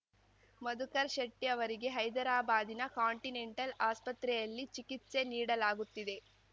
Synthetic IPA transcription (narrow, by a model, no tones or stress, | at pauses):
mɐd̪ukɐɾʃɐʈːijɐʋɐɾiɡe̞ɦɐjd̪ɐɾaːbaːd̪inɐkaːɳʈine̞ɳʈɐlaːspɐt̪ɾɛjɐlːit͡ʃikit̪ːse̞niːɽɐlaːɡut̪ːid̪e̞